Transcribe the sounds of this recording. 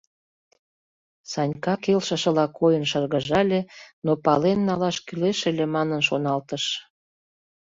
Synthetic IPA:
sɑnʲkɑkelʃə̆ʃə̆lɑkʰojənʃərɣə̆ʒɑlʲenopɑlenːɑlɑʃkyleʃelʲemɑnənʃonɑlt̪əʃ

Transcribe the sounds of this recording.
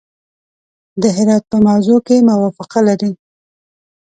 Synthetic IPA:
d̪əɦɪɾɑt̪̚pəmawzokemawɑfɪqalaɾi

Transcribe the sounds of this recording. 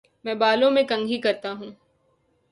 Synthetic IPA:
mɛ̃ːbaːlõmẽkɐ̃ŋɡʱikɐɾt̪aɦũː

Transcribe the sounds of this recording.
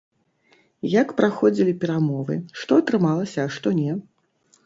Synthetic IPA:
jakpɾaxɔd͡zʲilʲipʲɛɾamɔvɨ̰ʂt̪ɔɐt̪ɾɨmalˠɐsʲɐːʂt̪ɔnʲɛ

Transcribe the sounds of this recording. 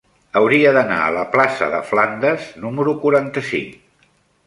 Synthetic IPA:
əwɾiəðəna̰ə̰ləplasə̰ðə̰fland̪əznuməɾukuɾant̪əsḭŋ

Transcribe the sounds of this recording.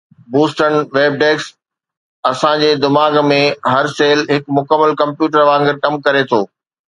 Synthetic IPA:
buːsʈənʋeːb̚ɖeːks | ɐsãːd͡ʑeːd̪ɪmaːɡmẽɦɐɾseːlɦɪkmʊkəmːəlkɐ̃mpjuːʈ̬əɾʋãːŋɡɪɾkɐmkɐɾet̪ʰoː

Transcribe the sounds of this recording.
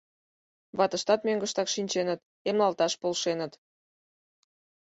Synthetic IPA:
βɑt̪əʃt̪ɑt̪møŋɡəʃt̪ɑkʃinʲt͡ɕenət̪ | emlɑlt̪ɑʃpolʃenət̪

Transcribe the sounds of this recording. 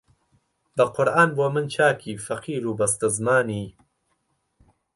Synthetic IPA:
bɐqʊɾʔaːnbuɐmɨnt͡ʃʰaːkʰiːfɐqʰiːɾuːbɐst̪ɐzmaːniː

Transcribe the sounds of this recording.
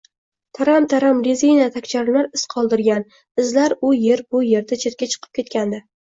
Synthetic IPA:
t̪ʰaɾamt̪ʰaɾamɾizijnat̪ʰakʲt͡ʃʰaɾlaɾɪsqʰɒlˠd̪ɪɾɡʲan | ɪzlaɾʊje̞ɾbʊje̞ɾd̪at͡ʃʰe̞t̪̚kʲat͡ʃʰɨ̥qʰɨ̥p̚kʲe̞t̪̚kʲand̪a

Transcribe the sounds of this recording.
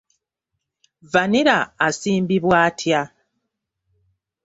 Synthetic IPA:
vaniɾaːsiːmbiβwaːtʰja

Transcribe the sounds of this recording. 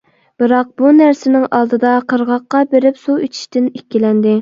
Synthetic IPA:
b̥ɨɾɑq̚bunæɾsɪnɪŋɑlˠd̪ɨd̪ɑqʰəɾʁɑqːɑbeɾɪpsuit͡ʃʰi̥ʃt̪ɪnekʲːilɛnd̪ɪ

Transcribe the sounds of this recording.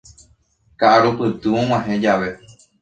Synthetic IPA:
kaʔaɾupɨt̪ɨõw̃ãɦẽd͡ʒaʋe̞

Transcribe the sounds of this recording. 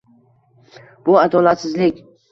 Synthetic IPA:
b̥ʊad̪ɒlat̪sɪzlɪkʲ

